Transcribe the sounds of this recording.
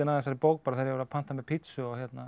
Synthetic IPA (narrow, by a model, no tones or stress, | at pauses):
ɪnaɛsaɾɪpoːwk̚paɾaθaɾjɛvɛɾapʰan̥t̪amɛpʰɪt̪sʏɔɣçjɛt̪na